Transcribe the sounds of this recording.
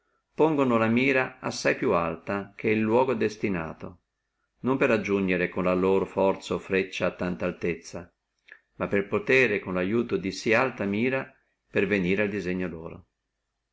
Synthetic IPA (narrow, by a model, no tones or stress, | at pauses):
poŋɡonolamiːɾaasːajpjualt̪ak̟eilːwɔːɡod̪est̪ina̰ːt̪o | nompeɾad͡ʒːuɲd͡ʒeɾekonlaloːɾofɔrt̪saofɾet͡ʃːaːt̪ːant̪aːlt̪et̪sːa | mapːelpot̪ɛːɾekonlajuːt̪od̪isialt̪amiːɾa | perveniːɾeald̪izeɲːolo̰ːɾo̰